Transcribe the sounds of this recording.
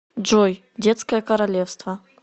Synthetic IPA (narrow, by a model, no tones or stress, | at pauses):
d͡ʒɔj | dʲɛt̪skɐjɛkɐɾalʲefst̪vɐ